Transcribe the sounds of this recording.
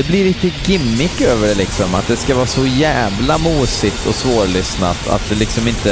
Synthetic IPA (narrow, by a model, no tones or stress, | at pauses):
ɛblɪɾlɪt̪əɡɪmːɪkøːvəɖɛlɪksɔmat̪̚d̪ɛskavɑːsɔjæːvlamuːsɪt̪ʰɔ̰svoːɾlʏsna̰t̪ʰa̰t̪̚d̪ɛlɪksɔmɪnt̪ə